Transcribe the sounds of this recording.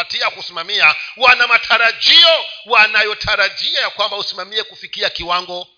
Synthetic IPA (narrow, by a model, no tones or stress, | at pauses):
atiakusimamiawanamatʰaɾaʄiɔwanajɔtʰaɾaʄiajakwambausimamiɛkufikiakiwaŋɡɔ